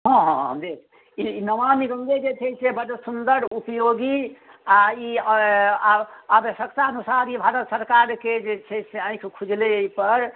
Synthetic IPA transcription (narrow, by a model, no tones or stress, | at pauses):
ɦɔ̃ɦɦɦəmd̪ek | inəʋamiɡə̃ŋɡ̪ed͡ʒet͡ʃʰɛsebəd̪əsund̪əɾupjoɡi | ai | abəʃjək̚t̪aənusaɾibʱaɾət̪səɾkaɾked͡ʒet͡ʃʰɛseə̃j̃kʰkʰud͡ʒleipəɾ